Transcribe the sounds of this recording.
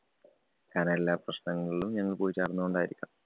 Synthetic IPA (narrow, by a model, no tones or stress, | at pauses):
kaːne̞lːaːprɐɕnɐŋːɐɭiɭumɲɐŋːɐɭpoːit͡ɕːaːɾɐnːɐoɳɖaːjiɾikʲːa̰